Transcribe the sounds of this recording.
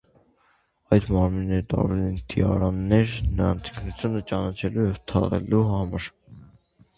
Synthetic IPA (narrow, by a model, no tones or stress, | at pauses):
ɑjd̪mɑɾminːɛɾət̪ɑ̰ɾvɛlɛnt̪iɑ̰ɾɑnːɛɾnəɑnt̪ʰi̥kʰnut͡sʰjunət͡ʃɑnɑt͡ʃʰɛlujɛvt̪ʰɑ̰ʁɛ̰luɦɑməɾ